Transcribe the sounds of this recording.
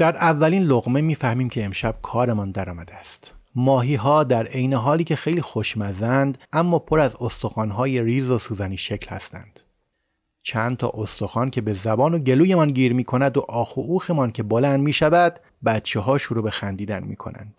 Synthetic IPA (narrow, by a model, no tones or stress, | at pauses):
d̪̥æɾʔævːæliːnloɣme̞miːfæhmiːmcʲʰe̞emʃæb̥̚kʰɒːɾe̞mɒnd̪æɾɒːmæd̪eæst̪mɒːɦiːɦɒːd̪æɾe̞jneɦɒːliːcʲʰe̞xe̞jliːxoʃmæzænd̪æmːɒːpʰo̞ɾæzost̪o̞xɒːnɦɒːje̞ɾiːzosuːzæniːʃe̞clhæ̰st̪æ̰nd̪̥ | t͡ʃʰænd̪t̪ʰɒ̰ːʔost̪o̞xɒːncʰe̞be̞zæbɒːnoɟe̞luːje̞mɒnɟiːɾmiːkʰo̞næd̪oʔɒːxoʔuːxe̞mɒːncʰe̞bolænd̪miːʃævæd̪̥ | bæt̪t͡ʃʰe̞ɦɒːʃuɾobe̞xænd̪iːd̪ænmḭːkʰo̞̰næ̰nd̪̥